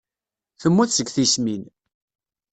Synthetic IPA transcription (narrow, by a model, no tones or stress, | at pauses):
θəmːuθsəɡθismin